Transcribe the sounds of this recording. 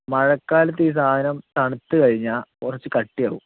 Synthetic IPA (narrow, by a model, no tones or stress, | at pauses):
mɐɻɐkːaːlɐt̪̬ːiːs̬aːd̪ʱɐnɐmt̪ɐɳit̪ːɨkɐɻiɲːaːkurɐt͡ɕːɨkɐʈːijaːʋum